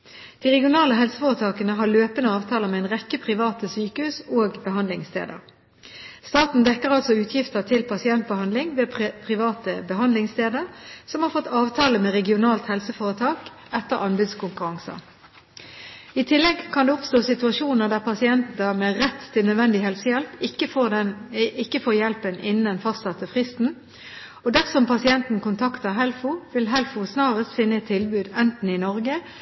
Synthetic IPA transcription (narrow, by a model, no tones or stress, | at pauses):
d̪̥iːʁɛɡɪʊnɑːləɦɛlsəfoːʁət̪ʰɑːkənəɦɑːløːpənəɑːʋt̪ʰɑːləmɛɛnʁɛkːəpʰʁɪʋɑːt̪əsyːkəhʉːsoːɡbəɦɑnd̪lɪŋst̪ʰḛːd̪ə̰ʁ | st̪ɑːt̪n̩d̪ɛkːəʁɑlsɔʉːt̪ʰjɪft̪ət̪ʰɪlpʰɑsɪɛnt̪̚bəhɑnd̪lɪŋʋeːppʰʁɪʋɑːt̪əbəɦɑnd̪lɪŋst̪eːd̪əʁsɔmhɑːʁfɔt̪ːɑːʋt̪ʰɑːləmeːʁɛɡɪʊnɑːlt̪hɛlsəfoːʁət̪ʰɑːk | ɛt̪ːəʁɑnbʉːd̪skʊŋkʉʁɑŋsə̰ | ɪt̪ʰɪlːɛɡkʰɑnd̪ɛɔpst̪oːsɪt̪ʉɑʃuːnəʁd̪æʁpʰɑsɪɛnt̪nəmɛʁɛt̪ʰːɪlœd̪ʋɛnd̪ɪhɛlsəjɛlpɪkːəfonɪkːəfoːjɛlpənʔɪ̰nənd̪ɛnfɑst̪sɑt̪əfʁɪst̪n̩ | ɔd̪æʁsɔmpɑsɪɛnt̪n̩kʊnt̪ʰɑkt̪əʁɦɛlfʊʋɪlɦɛlfʊsnɑːʁəst̪fɪnːəɛt̪ʰːɪlbʉːd̪ɛnt̪n̩ɪnɔʁɡə